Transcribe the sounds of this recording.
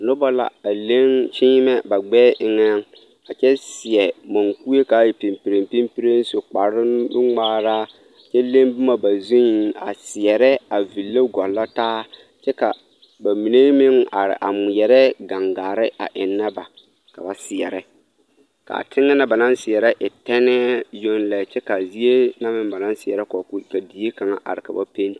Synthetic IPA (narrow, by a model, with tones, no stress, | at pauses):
nʊ˦ba˦la̰˨a˨le˦ŋt͡ʃiː˦mɛ˦ba˨ɡ͡bɛː˦ʔɪ˨ŋɛ˦ŋ | a˨t͡ʃɛ˦sɪ˨ɛ˨mo˨ŋku˦e˦kaː˨˦je˨pi˨mpi˨ɾe˨mpi˦mpi˦ɾe˦n˦so˨k͡pa˨ɾɪ˦nʊ˦ŋ͡maː˦ɾaː˦˨ | t͡ʃɛ˦le˦mbʊ˦ma˨ba˨zu˦n˨˦a̰˨sɪ˨ɛ˨ɾɛ˦a˨vi˨lːa˦ɡɔ˨lːa˦taː˦ | t͡ʃɛ˦ka˨ | ba˨mi˨ne˦mɪ˦ŋa̰˨ɾɪ̰˨ʔa˨mʊ˨jɛ˨ɾɛ˦ɡa˨ŋɡaː˨ɾɪ˦ʔa̰˨ʔɪ˨nːa˦ba˨ | ka˨ba˨sɪ˨ɛ˨ɾɪ˦ | ka̰˨tʰɪ˦ŋːa˦na˦ba˨na˦nsɪ˨ɛ˨ɾɛ˦ʔɪ˨tɛ˦nɛ˦jo˦nlɛ˨t͡ʃɛ˦ka˨zi˦e˦na˦mɪ˦mba˨na˦n˦sɪ˨ɛ˨ɾɛ˦kɔ˨kʊ˦˨ka˨di˨˦i˦ka˨ŋa̰˦ʔa̰˨ɾɪ˨ka˨ba˦pe˦n